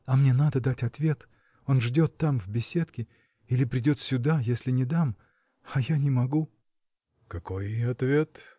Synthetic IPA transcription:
ɐmnʲe̞nad̪əd̪atʲɐt̪vʲe̞t̪ | o̞nʐdʲo̞t̪ːamvʲbʲɪsʲe̞t̪kʲɪ | ilʲɪpɾʲɪdʲo̞t̪sʲʊd̪ajesʲlʲɪnʲɪd̪am | ɐjanʲɪmɐɡu | kɐko̞jɐt̪vʲet̪

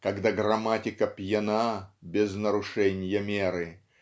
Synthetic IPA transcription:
kɐɡd̪aɡrɐmatʲɪkəpʲjɪnabʲɪznəɾʊʂɛnʲɪjəmʲeɾɨ

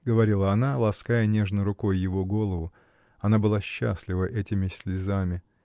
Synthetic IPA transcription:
ɡəvɐɾʲilˠəɐnalˠɐskajənʲe̞ʐnʊjɾʊko̞jːɪvo̞ɡo̞lˠəvʊ | ɐnabɨlˠaɕːa̰sʲlʲɪvəʔɛtʲɪmʲɪsʲlʲɪzamʲɪ

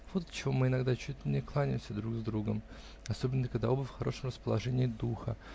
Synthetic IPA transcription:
vot̪t͡ɕɪvo̞mɨɪnɐɡd̪at͡ɕutʲlʲɪnʲɪklˠanʲɪmsʲəd̪ɾuɡzd̪ɾuɡəm | ɐsobʲɪnːəkɐɡd̪a̰obəfxɐɾʔo̞ʂəmrəspəlˠɐʐɛnʲɪːd̪uxə̰

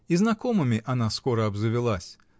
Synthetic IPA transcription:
iznakɔmɨmʲiʔanaskɔɾɐɐbzɨvʲɪlˠasʲ

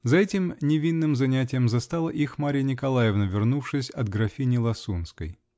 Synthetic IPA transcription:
zɐɛtʲɪmnʲɪvʲinːɨmzɐnʲæt̬ʲɪjəmzɐst̪alˠəʔixmaɾʲɪjənʲɪkɐlˠajɪvnəvʲɪrnufʂɨsʲɐd̪ɡɾɐfʲinʲɪlˠɐsunskə̰j

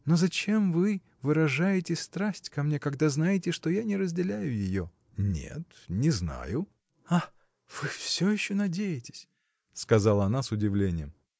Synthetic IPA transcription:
no̞zɐt͡ɕe̞mvɨ | vɨɾɐʐajɪtʲɪst̪ɾasʲtʲkɐmnʲe̞kɐɡd̪aznajɪtʲɪʂt̪o̞janʲɪɾəzʲdʲɪlʲæjʊjɪjo̞ | nʲḛt̪nʲɪzna̰jʊ | a | v̥ɨfsʲojɪɕːonɐdʲejɪtʲɪ̥sʲ | skɐzalˠəɐnasʊdʲɪvlʲenʲɪjɪm

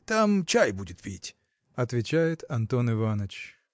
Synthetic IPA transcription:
t̪amt͡ɕajbudʲɪt̪̚pʲitʲ | ɐt̪vʲɪt͡ɕæjɪt̪ɐnt̪onɨvanət͡ɕ

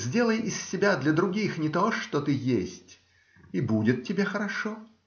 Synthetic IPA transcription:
zʲdʲe̞lˠəjɪsʲːɪbʲad̪lʲɐd̪ɾʊɡʲixnʲɪt̪oʂt̪ot̪ɨjesʲtʲ | ibudʲɪt̪̚tʲːɪbʲexəɾɐʂo

